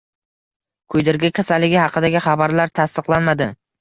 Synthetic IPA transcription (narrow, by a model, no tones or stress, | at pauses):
kʰɵjd̪ɪɾɡʲakʲʰasalːɪɡʲɪhɑqʰɨd̪aɡʲɪχɑbaɾlaɾt̪ʰast̪ɨqlˠanmad̪ɪ